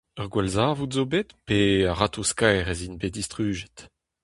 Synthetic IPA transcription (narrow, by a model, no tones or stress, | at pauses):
œʁɡwɛlzaːvutzobet̪peaʁat̪ʰoskajʁɛzinbedist̪ʁyːʒɛ̥t